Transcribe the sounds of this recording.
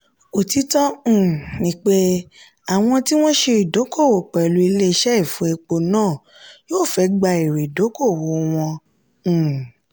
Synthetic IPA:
o˨ti˨˦tɔ̃˦˨nĩ˦k͡pe˦ | a˨w̃ɔ̃˧ti˦w̃ɔ̃˦ʃe˧i˨do˨˦ko˦˨wo˨k͡pɛ˨lu˧˦i˧le˦˧ʃɛ˦i˦˨fũ˦e˧k͡po˧nãː˦˨ | joː˦˨fɛ˨˦ɡ͡ba˧i˨ɾe˨do˨˦ko˦˨wo˨˦w̃ɔ̃˧˨

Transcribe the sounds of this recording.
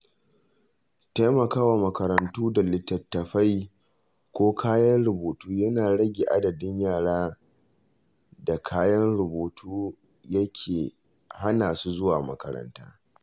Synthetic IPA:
ta˦jmɐ˨kaː˦waː˨mɐ˨kɐ˨ɾɐ˨ntuː˦da˨lɪ˦tːɐ˨tːɐ˨ɸa˦j | kʷoː˦kʰaː˦jɐ˦nɽʊ˨boː˨tuː˦jɐ˦naː˨ɽɐ˦ɡʲeː˨ʔa˦dɐ˨dɪ˦ɲjaː˦˨ɽaː˦ | da˨kʰaː˦jɐ˦nɽʊ˨boː˨tʰuː˦ | jɐ˦kʲʰeː˨ | ha˦naː˨su˦zʊ˦waː˨mɐ̰˨kɐ̰˨ɾɐ̰˦nta̰ː˦

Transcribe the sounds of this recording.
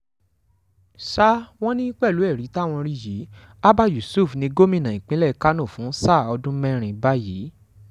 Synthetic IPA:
ʃa˦w̃ɔ̃˦nĩ˦k͡pɛ˦˨lu˨˦ɛ˦˨ɾi˨˦ta˦˨w̃ɔ̃˧ɾi˦ji˨˦ | a˦ba˦ju˨su˦˨fnĩ˧ɡo˦mĩ˦˨nã˨ĩ˨k͡pĩ˨˦lɛ˦˨˦ka˦nũ˦˨fũ˨˦sa˦˨ɔ˧dũ˦mɛ̃˦ɾ̃ĩ˨ba˦ji˨˦

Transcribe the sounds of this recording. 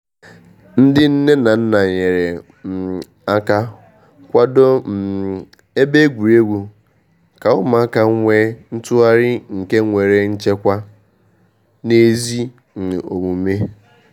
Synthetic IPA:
n̩˦dɪ˦n̩˦ne˦na˨n̩˦na˨ɲe˨ɾe˨ | m̩˨ | a˦ka˦ | kʷa˦do˦m̩˨ | e˦be˦ɡʷu˨ɾe˦ɡʷu˨ | ka˨ʊ˦ma˨a˦ka˨˦ŋʷe˦n̩˦tʊ˦a˦ɾɪ˦ŋ̩˨ke˦ŋʷe˨ɾe˨n̩˦t͡ʃe˦kʷa˦ | ne˦zi˦ | n̩˨o̰˨ŋʷu˨me˦

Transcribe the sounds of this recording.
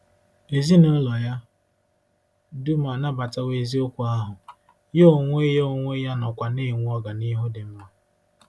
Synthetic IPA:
e˨zi˦no˦lɔ˨ja˦ | du˦ma˨na˦ba˨ta˦we˨zi˦o˦kʷu˨a˦ɦʊ˨ | je˦o˨ŋʷe˦jo˦o˨ŋʷe˦ja˦nɔ˨kʷa˨ne˦˨ŋʷu˦ɔ˦ɡa˨ni˦ɦʊ˦dɪ˨m̩˦ma˦

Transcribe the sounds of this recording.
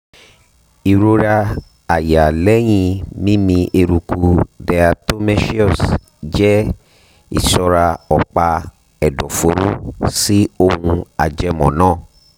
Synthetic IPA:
i˨ɾo˧ɾa˧ | a˨ja˨lɛ˦j̃ĩ˧mĩ˦mĩ˧ʔe˧ɾu˨ku˧dɛ˧a˧to˦mɛ˦ʃi˦ɔ˦˨s | d͡ʒɛ˦ | ḭ˨sɔ˧ɾa˧ɔ˨k͡pa˧ | ɛ˨dɔ˨fo˨˦ɾu˦si˦o˦˧hũ˧a˨d͡ʒɛ˧mɔ̰̃˨nãː˦˨

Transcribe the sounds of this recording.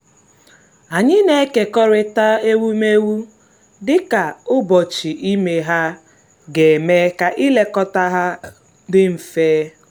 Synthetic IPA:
a˨ɲɪ˦ne˦ke˨kɔ˦ɾɪ˦ta˦e˦wu˦me˦wu˦ | dɪ˦ka˨ʊ˦bɔ˨t͡ʃi˨ʔi˦me˦ɦa˦ | ɡe˨me˦ka˨ʔi˦le˦kɔ˦ta˦ɦa˦ | dɪ˦m̩˨feː˦

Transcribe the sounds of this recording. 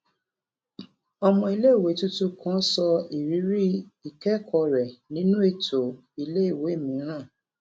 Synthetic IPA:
ɔ˧mɔ̃˧i˧le˦i˦˨we˨˦tu˦tu˦kã˦sɔ˧i˨ɾi˨˦ɾi˦i˦˨kɛ˦kʰɔ˧ɾɛ˨nĩ˨˦nũ˦e˦˨to˨ | i˧le˦i˦˨we˨˦e˦˨mĩ˨˦ɾ̃ã˦˨

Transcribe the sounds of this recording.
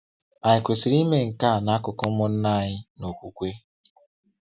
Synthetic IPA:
a˨ɲɪ˨kʷe˨si˨ɾi˦me˦ŋ̩˨ka˦˨na˦kʊ˦kʊ˦mʊ˦n̩˦na˦˨ɲɪ˦no˨kʷu˨kʷe˦

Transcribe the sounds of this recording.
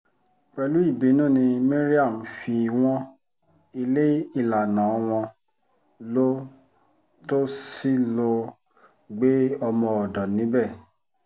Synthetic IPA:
k͡pɛ˧lu˨˦i˦˨be˨˦nũː˦˨nĩ˧me˦ɾi˦a˦˨m̩˨˦fi˧w̃ɔ̃˦ | i˧le˦i˦˨la˨nã˨˦ɔ˧w̃ɔ̃˧ | lo˦ | to˦si˦lo˧ | ɡ͡be˦ɔ˧mɔ̃˧ɔ˨dɔ˨nĩ˨˦bɛ˦˨

